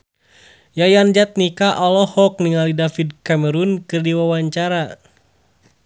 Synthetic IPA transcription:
jajand͡ʒat̪̚nikaʔɔlɔhɔk̚niŋalidafidkaməɾunkɨrdiwawaɲt͡ʃaɾa

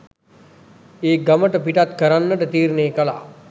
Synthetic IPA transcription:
eːɡɐməʈəpiʈat̪kɐɾanːəʈɐt̪iːɾneːkɐla̰ː

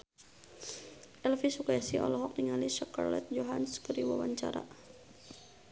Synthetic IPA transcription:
ɛlfisukaɛsiɔ̰lɔɦɔk̚niŋaliʃaka̰rlɛ̰t̪̚d͡ʒɔɦanskəɾiwawaɲt͡ʃa̰ɾa̰

